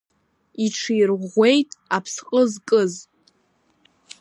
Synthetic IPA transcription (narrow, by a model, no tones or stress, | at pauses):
iʈ͡ʂʰijrʁʷe̞jtʼapʰsqʼəzkʼɨz